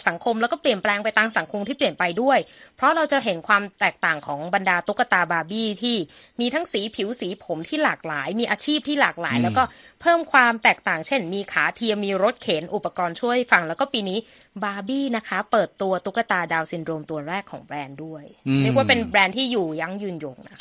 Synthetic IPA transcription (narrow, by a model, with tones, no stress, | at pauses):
sa˩˦ŋkʰo˧mlɛː˦˥wkɔː˥˩pli˨˩ənplɛː˧ŋpa˧jt̪aː˧ŋsa˩˦ŋkʰo˧mt̪ʰiː˥˩pli˨˩ənpa˧jdu˥˩əjpʰɾɔ˦˥ɾa˧wt͡ɕa˨˩ʔɦe˩˦nkʰwaː˧mt̪ɛː˨˩k̚t̪aː˨˩ŋkʰɔː˩˦ŋba˧ndaː˧t̪u˦˥kːa˧t̪aː˧baː˧biː˥˩t̪ʰiː˥˩ | miː˧t̪ʰa˦˥ŋsiː˩˦pʰi˨˩˦wsiː˩˦pʰo˩˦mt̪ʰiː˥˩laː˨˩k̚laː˩˦jmiː˧ʔaː˧t͡ɕʰiː˥˩p̚t̪ʰiː˥˩laː˨˩k̚la̰ː˩˦jlɛː˦˥wkɔː˥˩pʰɤː˥˩mkʰwaː˧mt̪ɛː˨˩k̚t̪aː˨˩ŋt͡ɕʰe˥˩nmiː˧kʰaː˩˦t̪ʰi˧əmiː˧ɾo˦˥t̪̚kʰeː˩˦nʔu˨˩pːa˧kɔː˧nt͡ɕʰu˥˩əjfa˧ŋlɛ˦˥wkɔː˥˩piː˧niː˦˥ | baː˧biː˥˩na˦˥kʰa˦˥pɤː˨˩t̪ːu˧ɐt̪u˦˥kːa˧t̪aː˧daː˧wsi˧ndɾoː˧mt̪u˧ənɾɛː˥˩kʰːɔ̰ː˩˦ŋbɾɛː˧ndu˥˩əjɾɯ˥˩əkwaː˥˩pe˧nbɾɛː˧nt̪ʰiː˥˩juː˨˩ja˧ŋjɯː˧njo˨˩ŋna˦